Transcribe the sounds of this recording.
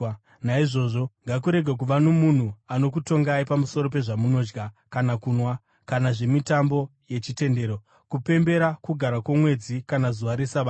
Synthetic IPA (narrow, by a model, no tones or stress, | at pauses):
naiʐo̞ʐo̞ŋɡakuɾe̞ɡʱak̬uʋano̞mun̤uano̞k̬uto̞ŋɡaipamuso̞ɾo̞pe̞ʐamuno̞d͡ʒɡa | kanakunwa | kanaʐe̞mitambo̞je̞t͡ʃite̞nde̞ːɾo̞ | kupe̞mbe̞ɾakuɡʱaɾakwomwe̞d͡zikanazuʋaɾe̞saʋa